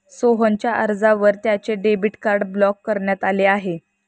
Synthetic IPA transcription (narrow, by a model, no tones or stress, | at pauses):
soɦəɲt͡ɕjaʔəɾd͡zaʋəɾt̪jat͡ɕeɖebiʈkaɾɖblɔkːəɾɳjat̪aleaɦe